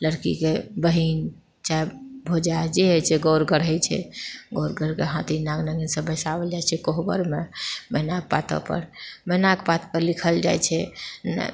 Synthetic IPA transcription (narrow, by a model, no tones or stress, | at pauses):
ləɾkḭkebəɦin | t͡ʃajbʱod͡ʒad͡ʒeɦet͡ʃʰɛɡoɾɡəɾəjt͡ʃʰɛ̰ɡoɾɡəɾkeɦãt̪inaɡnəɡinsə̃bəsabəld͡ʒajt͡ʃʰɛkoɦbə̰ɾmemənaɡ̚pa̰t̪ə̰pə̰ɾmənakpat̪pəɾlikʰəld͡ʒajt͡ʃʰɛnə̰